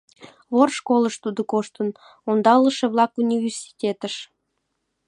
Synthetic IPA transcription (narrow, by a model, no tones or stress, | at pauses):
βorʃkoləʃt̪ud̪okoʃt̪ən | ond̪ɑləʃeβlɑkunʲivʲersʲi̥tʲet̪əʃ